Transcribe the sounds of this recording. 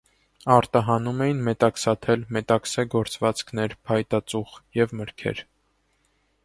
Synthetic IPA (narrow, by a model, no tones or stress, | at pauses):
ɑɾt̪ɑɦɑnumɛjinmɛt̪ɑksɑt̪ʰɛlmɛt̪ɑksɛɡɔɾt͡svɑt͡skʰnɛɾpʰɑjt̪ɑt͡suχjɛvməɾkʰɛ̰ɾ